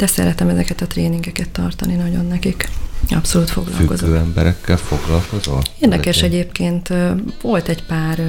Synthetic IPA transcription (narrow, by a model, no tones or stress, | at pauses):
d̪ɛsɛ̰ɾɛt̪ɛmɛzɛkɛt̪ɒt̪reːniŋɡɛkɛt̪ːɒrt̪ɒninɒɟo̞nːɛkikɒ̰pso̞luːt̪fo̞̰ɡlɒ̰fyko̞̰zøːɛmbɛɾɛkʰːɛlfo̞ɡlɒlko̞zoleːrd̪ɛkɛʃɛɟeːpkeːnt̪vo̞lt̪ɛcpaːr